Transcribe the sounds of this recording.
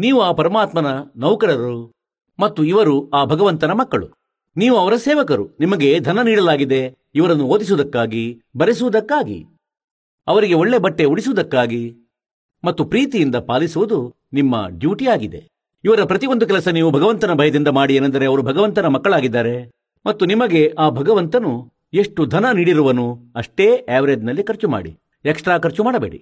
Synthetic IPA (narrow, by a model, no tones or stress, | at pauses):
niːʋuaːpɐɾɐmaːt̪mɐnɐnɐwkɐɾɐɾu | mɐt̪ːuiʋɐɾuaːbʱɐɡɐʋɐnt̪ɐnɐmɐkːɐɭṵ | niːʋuɐʋɐɾɐsɛːʋɐkɐɾunimɐɡe̞d̪ʱɐnɐniːɽɐlaːɡid̪e̞ | iʋɐɾɐnːuoːd̪is̬ud̪ɐkːaːɡibɐɾesuʋud̪ɐkːaːɡḭ | ɐʋɐɾiɡe̞o̞ɭːe̞bɐʈːe̞uɽisuʋud̪ɐkːaːɡi | mɐt̪ːupɾiːt̪ijind̪ɐpaːlisuʋud̪u | nimːɐ̰ɖjuːʈijaːɡid̪e̞̰ | iʋɐɾɐpɾɐt̪iʋond̪ukɛlɐsɐniːʋubʱɐɡɐʋɐnt̪ɐnɐbʱɐjɐd̪ind̪ɐmaːɽienːɐnd̪ɐɾe̞ɐʋɐɾubʱɐɡɐʋɐnt̪ɐnɐmɐkːɐɭaːɡid̪ːaːɾe̞ | mɐt̪ːunimɐɡe̞ʔaːbʱɐɡɐʋɐnt̪ɐnu | e̞ʂʈud̪ʱɐnɐniːɽiɾuʋɐnuɐʂʈe̞ːaːʋɐɾed̪nɐlːikɐɾt͡ʃuma̰ːɽḭ | eksʈɾaːkɐɾt͡ʃumaːɽɐbeːɽḭ